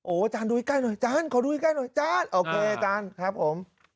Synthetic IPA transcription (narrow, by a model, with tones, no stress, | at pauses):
ʔoː˨˩ʔa˧t͡ɕaː˧nduː˧i˧klaː˥˩no˧˩jt͡ɕaː˧˥˨nkʰaː˨˩˦duː˧i˧ka˥˩no˧˩jt͡ɕaː˧˥nʔoː˧kʰeː˧ʔa˧t͡ɕaː˧nkʰɾa˦˥p̚ʰːo˩˦m